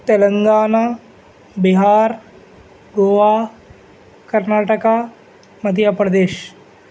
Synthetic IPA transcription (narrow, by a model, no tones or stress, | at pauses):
t̪eləŋɡaːnaː | biɦaːɾ | ɡoːʋaː | kɐɾnaːʈɐkaː | mɐd̪ʱjapɾɐd̪eːʃ